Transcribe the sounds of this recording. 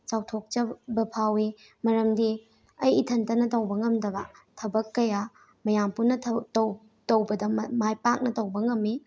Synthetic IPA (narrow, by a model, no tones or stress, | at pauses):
t͡ʃawtʰok̚t͡ʃɐbɐpʰawi | mɐɾɐmdi | ɐjitʰɐntɐnɐtɐwbɐŋɐmdɐbɐ̰tʰɐbɐkːɐja | mɐjampunɐtʰɐtɐw | tɐwbɐdɐmmajpak̚nɐtɐwbɐŋɐmːi